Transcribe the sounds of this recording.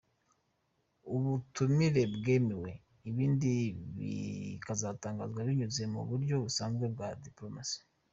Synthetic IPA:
uβutumiɾe̞bɡe̞ːmiwe̞ | iβiːndiβḭkazataːŋɡazɡwaβiɲuze̞mṵβuɾjo̞βusaːnzɡwe̞b̚ɡadiplo̞masi̥

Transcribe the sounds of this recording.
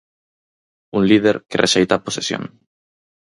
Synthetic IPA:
unlið̞eɾkereʃejt̪aposesjõ̰ŋ

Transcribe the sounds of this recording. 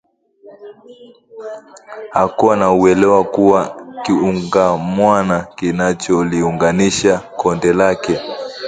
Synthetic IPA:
hakuanauɛlɛwakuwakiuŋɡamwanakinat͡ʃɔliuŋɡaniʃakɔndɛlakɛ

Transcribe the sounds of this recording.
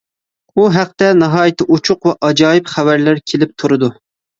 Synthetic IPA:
uɦæq̚t̪ɛnɑɦɑːjɪt̪ʰɨʔut͡ʃʰʊqwɛʔɑd͡ʒɑːjɪpχævæɾlæɾkʲʰelɪp̚t̪ʰuɾɨd̪u

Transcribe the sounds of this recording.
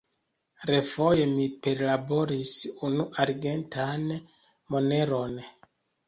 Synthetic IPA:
ɾe̞fo̞je̞mipe̞ɾlabo̞ɾisunuʔaɾɡe̞ntan | mo̞ne̞ɾo̞n

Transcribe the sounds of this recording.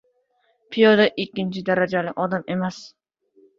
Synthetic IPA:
pʰijɒd̪aʔɪkʲːɪnt͡ʃʰɪd̪aɾad͡ʒalɪʔɒd̪ame̞mas

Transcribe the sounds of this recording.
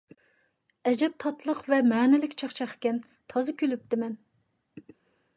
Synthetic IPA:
ɛd͡ʒɛp̚t̪ʰɑt̪lˠəqvɛmɛːnɪlɪkʲt͡ʃʰɑχt͡ʃʰɑχkʲɛn | t̪ʰɑzɨkʲʰylyp̚t̪ɪmɛn

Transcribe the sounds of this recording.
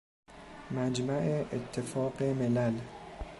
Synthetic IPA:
mæd͡ʒmæʔeʔet̪ʰːefɒːqemelæl

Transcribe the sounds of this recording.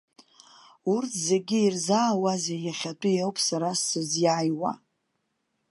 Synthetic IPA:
urtʰze̞ɡʲiirzaːwazejaχʲatʼʊjowpʼʰsaɾasɨzjaːjwa̰

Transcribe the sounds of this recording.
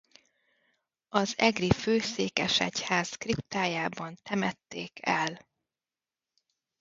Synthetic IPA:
ɒzɛɡriføːseːkɛʃɛ̰chaːskrip̚t̪aːjaːbɒnt̪ɛmɛt̪ːeːkʰɛl

